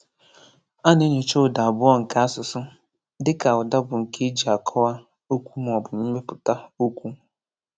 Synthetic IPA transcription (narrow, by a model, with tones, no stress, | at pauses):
a˦ne˦ɲe˨t͡ʃo˦˨da˨a˨bʊ˦ɔ˦ŋ̩˨ka˦a˦sʊ˨sʊ˦ | dɪ˦ka˨ʊ˨da˦bʊ˨ŋ̩˨ke˦d͡ʒi˨a˨kʰɔ˦wa˦ | o˦kʷu˦m˨ɔ˨bʊ˨m̩˦me˦pʊ˨ta˦o˦kʷu˦